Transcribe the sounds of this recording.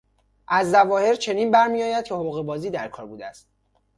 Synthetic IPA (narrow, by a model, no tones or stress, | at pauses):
ʔæzːævɒːhe̞ɾt͡ʃʰe̞niːnbæɾmiɒːjæd̪̚cʰehouɣebɒːziːd̪æɾkʰɒːɾbuːd̪eæst̪̚